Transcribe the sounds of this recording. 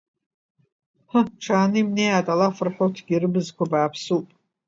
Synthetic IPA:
həʈ͡ʂʰaːnɨimnejatʼalafɨrħotʰɡʲirɨbɨzkʷabaːpʰsupʼ

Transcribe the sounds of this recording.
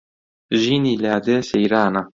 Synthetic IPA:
ʒinilead̪esejɾaːna

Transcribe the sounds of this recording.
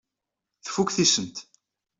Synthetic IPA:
θfukθisənt̪

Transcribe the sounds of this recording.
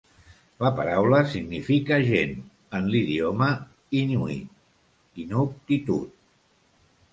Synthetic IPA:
ləpəɾawləsiɡnifikəʒen | ənliðiomə | inuḭ | inop̚t̪it̪ṵt̪̚

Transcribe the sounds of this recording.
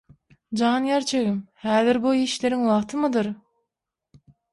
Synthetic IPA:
d͡ʒɑːnjɑɾt͡ʃʰeɣimhæːðɪɾbojiʃleɾiŋwɑʁt̪ʰɯmɯd̪ɯɾ

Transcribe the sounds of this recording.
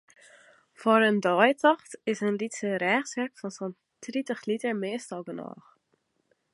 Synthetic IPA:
fɔɾəndɔjtɑχtɪsənlitsəɾɛːχsvɛɹkfɔnsɔn | tritəxlitəmeːstɑɡənɑ̰ːχ

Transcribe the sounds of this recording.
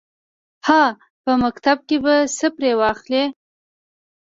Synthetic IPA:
hɑ | pəmakt̪ab̚kebasəpɾewɑxle

